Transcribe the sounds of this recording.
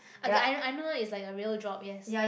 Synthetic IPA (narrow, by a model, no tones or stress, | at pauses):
ʔaaɪoaɪnowatɪtslaɪkəɹiəldɹɔp̚jɛs